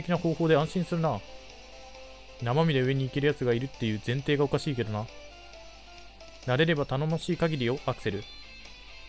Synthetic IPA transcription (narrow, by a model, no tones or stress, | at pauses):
ekʲinaho̞ːho̞ːd̪e̞ãɰ̃ɕĩɰ̃sɨɾɯ̟na | namamʲid̪eɯ̟e̞ɲ̟iːke̞ɾɯ̟jat͡sɨɡaiɾɯ̟t̪ːe̞jɯ̟ːzẽ̞nt̪e̞ːɡao̞kaɕiːke̞d̪o̞na | naɾe̞ɾe̞bat̪ano̞maɕiːkaɡʲiɾʲio̞ʔakɯ̟̥se̞ɾɯ̟